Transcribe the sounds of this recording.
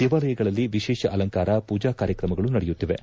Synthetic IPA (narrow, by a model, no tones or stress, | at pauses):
d̪̥eːʋaːlɐjɐɡɐɭɐlːiʋiʃɛːʃɐʔɐlɐŋkaːɾɐpuːd͡ʒaːkaːɾjɐkɾɐmɐɡɐɭunɐɽɛjut̪ːiʋe̞